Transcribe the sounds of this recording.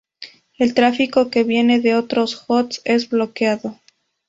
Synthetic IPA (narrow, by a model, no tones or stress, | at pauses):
e̞lt̪ɾafiko̞ke̞βje̞ne̞ðe̞o̞t̪ɾo̞sxo̞t̪se̞zblo̞kjaðo̞